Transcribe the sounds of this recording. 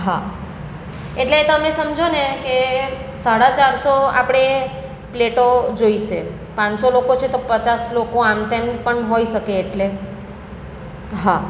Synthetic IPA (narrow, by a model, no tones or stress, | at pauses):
ɦa | eʈleːt̪əmesəmd͡ʒʱonekesaɽat͡ʃaɾsoa̰pɽ̃e | pleʈod͡ʒoiʃe | pãɲsolokot͡ʃʰet̪opət͡ʃaslokoamt̪empəɳɦoiʃəkeːʈle | ɦa